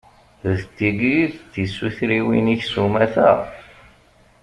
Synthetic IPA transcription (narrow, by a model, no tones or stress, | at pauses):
ðt̪ːiɡiðt̪isːuθɾiwḭniçsumæθæ̰